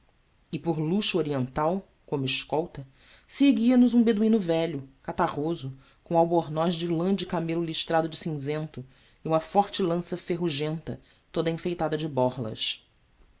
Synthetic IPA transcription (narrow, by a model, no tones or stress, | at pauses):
ɪpʊɾluʃuoɾiẽnt̪aw | kõmʊɪʃkɔwt̪ɐ | seɡiɐnʊzũbed̪uĩnʊvɛʎʊkat̪aʁozʊ | kõawboɾnɔjzd͡ʒɪlɐ̃d͡ʒɪkamelʊliʃt̪ɾad̪ʊd͡ʒɪsĩzẽnt̪ʊ | iũmɐfɔɾt͡ʃɪlɐ̃sɐfeɦuʒẽnt̪ɐ | t̪od̪ɐĩfejt̪ad̪ɐd͡ʒɪbɔɾlɐ̰ʃ